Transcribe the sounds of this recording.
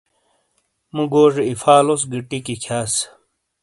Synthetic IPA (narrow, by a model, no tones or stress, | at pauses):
muɡoːʐiifaːlosɡiʈikikʰaːs